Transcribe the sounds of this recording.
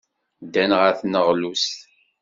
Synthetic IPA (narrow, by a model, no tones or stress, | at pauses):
d̪ːænʁəθnəʁlus